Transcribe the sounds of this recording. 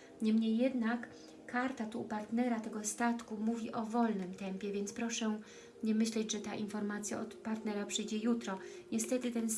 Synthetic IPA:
ɲɛmɲejːɛd̪nakː | aɾt̪at̪upaɾt̪nɛɾat̪ɛɡɔst̪at̪kumuvʲiʔɔvɔlnɘmt̪ɛmpʲjɛvʲjɛnt̪spɾɔʂɛ | ɲɛmɘɕlɛd͡ʑʐɛt̪aʔinfɔɾmat̪sʲja̰ʔɔt̪paɾt̪nɛɾapʂɘjd͡ʑɛjut̪ɾɔɲɛst̪ɛt̪ɘt̪ɛn

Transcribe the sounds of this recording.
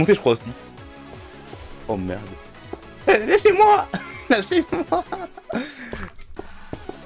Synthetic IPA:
mɔ̃t̪eʒəkχwaosi | omɛ̰ʁd̪ | lɛʃemwalɛʃemwa

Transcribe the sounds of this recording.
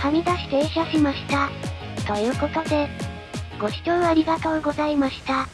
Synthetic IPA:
hamʲid̪aɕi̥t̪eɕʲaɕimaɕi̥t̪a | ɡ̪ajokok̪ad̪e | ɡ̥o̞ɕi̥t͡ɕoaɾʲiɡat̪aoɡo̞zaimaɕi̥t̪a

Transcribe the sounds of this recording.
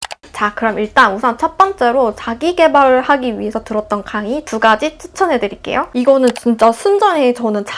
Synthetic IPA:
t͡ɕakɯɾʌmiɭt͈anusʰant͡ɕʰʌt̚p͈ʌnt͡ɕ͈e̞ɾot͡ɕaɡiɡe̞baɭhaɡiɥiɦe̞sʰʌtɯɾʌt̚t͈ʌnkaŋituɡad͡ʑitʰɯ̥t͡ɕʰʌnɦe̞dɯɾik͈e̞̰joiɡʌnɯnt͡ɕint͡ɕ͈ʌsʰund͡ʑʌnɦet͡ɕʌnɯnt͡ɕ

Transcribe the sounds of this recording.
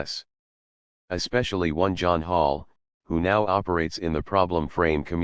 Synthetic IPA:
s | ɨspɛʃl̩ˠiwʌ̃nd͡ʒɑ̃nɦɔlˠ | hunaʊɑpə˞eɪtsɨ̃nðɨpʰɹ̥ɑblə̃ɱfɹẽɪ̃mkʰɨmj

